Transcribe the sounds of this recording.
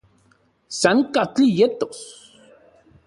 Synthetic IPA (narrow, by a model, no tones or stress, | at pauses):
saŋkat͡ɬijet̪os